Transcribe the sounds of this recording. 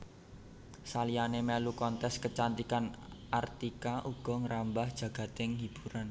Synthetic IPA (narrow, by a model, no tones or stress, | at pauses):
salijanemelukɔnt̪ɛskət͡ʃant̪ikanʔart̪ikaʔuɡ̥ɔ̤ŋəɾambahd̥ʒ̥ä̤ɡ̥ä̤t̪ɪŋɦib̥uɾan